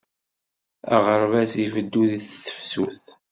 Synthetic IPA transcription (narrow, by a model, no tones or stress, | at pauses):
æ̰ʁəɾvæsifəd̪ːuðiθθə̥fsuθ